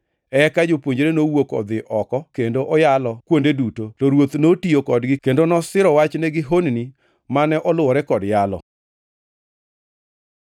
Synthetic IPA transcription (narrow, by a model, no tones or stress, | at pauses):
ɛkad͡ʒopwoɲd͡ʒɾenowokɔ̰d̪ɪʔɔkɔkendoʔɔjalɔkwondedutotɔɾwot̪notiokɔdɡɪkendonɔsɪɾɔwat͡ʃnɛɡɪɦonni | manɛʔɔlʊɔɾɛkɔdjalɔ̰